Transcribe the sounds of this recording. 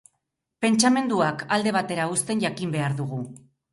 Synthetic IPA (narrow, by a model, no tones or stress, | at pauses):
pe̞nt͡ʃame̞nd̪uakald̪e̞β̞at̪e̞ɾaust̪e̞nʝakimbe̞aɾðuɣ̞u